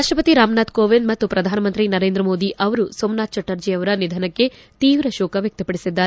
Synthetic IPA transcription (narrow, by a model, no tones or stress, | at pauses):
aːʂʈɾɐpɐt̪iɾaːmnaːt̪koːʋend̪mɐt̪ːupɾɐd̪ʱaːnɐmɐnt̪ɾinɐɾeːnd̪ɾɐmoːd̪iʔɐʋɐɾusomnaːt̪̚t͡ʃɐʈːɐɾd͡ʒijɐʋɐɾɐnid̪ʱɐnɐkːe̞ | t̪iːʋɾɐʃɔːkɐʋjɐk̚t̪ɐpɐɽisid̪ːaːɾ